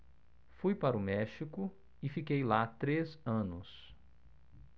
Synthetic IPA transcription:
fujpaɾʊmɛʃikʊ | ɪfikejlat̪ɾezɐ̃nʊs

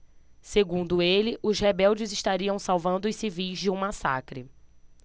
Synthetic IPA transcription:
seɡũnd̪ʊelɪʔʊzhebɛwd͡ʒɪziʃt̪aɾiɐ̃w̃sawvɐ̃nd̪ʊʊjsivijzd͡ʒɪũmasa̰kɾɪ

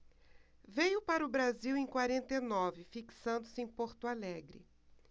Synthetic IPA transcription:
vejʊpaɾʊbɾaziwẽj̃kwaɾẽnt̪enɔvɪfiksɐ̃nd̪ʊsɪẽj̃poɾt̪ʊalɛɡɾɪ

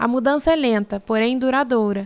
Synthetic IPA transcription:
ɐ̰mud̪ɐ̃sɐɛlẽnt̪ɐpoɾẽj̃d̪uɾad̪oɾɐ

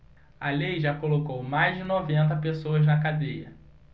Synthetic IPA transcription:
ɐlejʒakolokowmajzd͡ʒɪnɔvẽnt̪̬ɐpesoɐznɐkad̪ejɐ

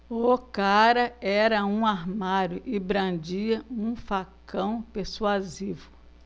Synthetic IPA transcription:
okaɾɐɛɾɐũaɦmaɾjʊʔɪbɾɐ̃d͡ʒiɐũfakɐ̃w̃peɾsuazivʊ

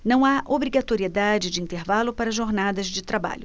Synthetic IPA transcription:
nɐ̃w̃aʔobɾiɡat̪oɾied̪ad͡ʒɪd͡ʒɪĩnt̪eɾvalʊpaɾɐʒoɾnad̪ɐzd͡ʒɪt̪ɾaba̰ʎʊ

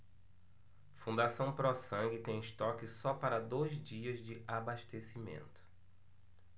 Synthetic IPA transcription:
fũd̪asɐ̃w̃pɾɔsɐ̃ŋɡɪt̪ẽj̃ɪʃt̪ɔkɪsɔpaɾɐd̪ojzd͡ʒiɐzd͡ʒɪʔabaʃt̪esimḛ̃nt̪ʊ̥

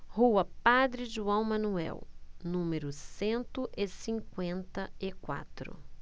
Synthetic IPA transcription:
huɐpad̪ɾɪʒuɐ̃w̃mɐ̃nuɛ̰wnũmeɾʊsẽnt̪ʊʔɪsĩŋkwẽnt̪ɐɪkwa̰t̪ɾʊ̰

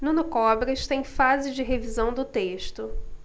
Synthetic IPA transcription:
nũnʊkɔbɾɐʃt̪ẽj̃fazɪd͡ʒɪɦevizɐ̃w̃d̪ʊt̪eʃt̪ʊ

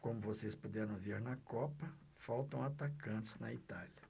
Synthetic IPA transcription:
kõmʊvosespud̪ɛɾɐ̃w̃viɾnɐkɔpɐ | fawt̪ɐ̃w̃at̪akɐ̃t͡ʃɪ̥znɐ̰it̪aljɐ

